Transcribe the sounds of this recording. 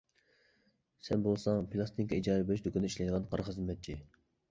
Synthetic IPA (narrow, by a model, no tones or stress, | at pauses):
sɛnbolˠsɑŋpʰilˠɑst̪ʰiŋkʰʲɑid͡ʒɑːɾɛbelʃd̪ukʲʰɪnɪiʃlɛjd̪əʁɑnqʰɑɾχɨzmːɛt̪̚t͡ʃʰi